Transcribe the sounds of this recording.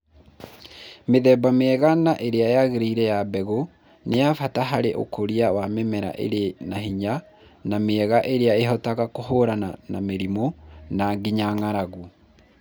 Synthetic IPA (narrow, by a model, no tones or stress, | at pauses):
meðɛːbameɛɣanaʔeɾeaejaɣeɾiiɾɛjabɛɣo | neafataɦaɾeʔo̰koɾiawamemɛɾa̰ʔḛɾenahiɲa | nameɛɣaʔeɾeaeɦɔtaɣakoɦoɾananameɾimonaɡiɲaŋaɾaɣu